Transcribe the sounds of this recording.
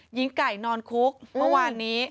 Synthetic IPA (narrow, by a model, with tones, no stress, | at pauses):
ji˦˥ŋka˨˩jnɔː˧nkʰu˦˥k̚mɯ˥˩əwaː˧nːiː˦˥